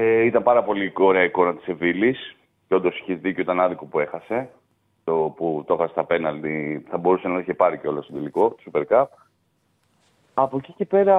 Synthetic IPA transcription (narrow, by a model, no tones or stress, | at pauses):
eit̪ɐmpɐɾɐpo̞lio̞ɾe̞ɐiko̞nɐt̪i̥se̞vilis | ceod̪o̞si̥çezðicoit̪ɐnɐðiko̞pue̞xɐse̞ | t̪oput̪o̞xɐse̥st̪ɐpe̞nɐld̪iθɐbo̞ɾusenɐiçepɐɾiceo̞lɐst̪od̪eliko̞t̪o̥supe̞ɾkɐp̚ | ɐpo̞cicepe̞ɾɐ